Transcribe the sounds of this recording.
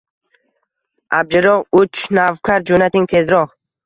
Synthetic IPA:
ʔab̚d͡ʒɪɾɔʁut͡ʃnavkʰaɾd͡ʒunat̪iŋt̪ʰezɾɔʁ

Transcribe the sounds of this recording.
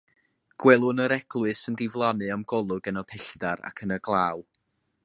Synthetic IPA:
ɡ̥wɛlˠʊnəɾɛɡ̥lˠwɨsəndɪvlˠanɨamɡ̥ɔlˠʊɡənɔpʰɪɬd̥aɾa̰kʰənəɡlˠaːw

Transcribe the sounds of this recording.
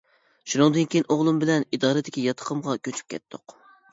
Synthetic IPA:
ʃunɨŋd̪ɨnkʲijinʔoʁlˠumbɪlɛnid̪ɑːɾɨd̪ɪkʲijɑt̪ʰə̥qʰəmʁɑkʲøt͡ʃʰy̥p̚kʲʰɛ̰t̪ʰːʊq

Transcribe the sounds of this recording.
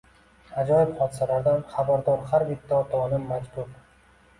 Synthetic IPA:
ad͡ʒɒjɪbχɒd̪ɪsalaɾd̪anχabaɾd̪ɒɾχaɾvɪt̪ʰːat̪ʰɒnɪmːad͡ʒbʊɾ

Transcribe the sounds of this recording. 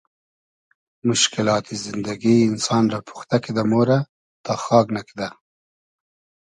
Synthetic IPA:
mʊʃkɪlɑːt̪izɪnd̪aɡiːnsɑːnɾɑpʰu̥xt̪akid̪amoɾa | t̪ɑxɑːɡnakid̪a

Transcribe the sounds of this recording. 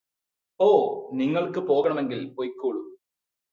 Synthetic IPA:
oːniŋːɐɭkɨpo̞ːɣɐɳɐme̞ŋɡilojkːuːɭu

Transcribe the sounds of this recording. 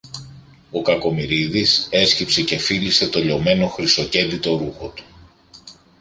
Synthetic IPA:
o̞kɐko̞miɾiðise̞scipse̞ce̞filise̞t̪o̞ʎo̞me̞no̞xɾiso̞ce̞d̪it̪o̞ɾuxo̞t̪u̥

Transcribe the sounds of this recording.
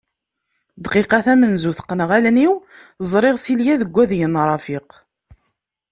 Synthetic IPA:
d̪qiqɑθæmənzuθə̥qːnəʁælniw | zˤɾˤɪʁsiljæðəɡʷːæðjənɾˤɑfiq

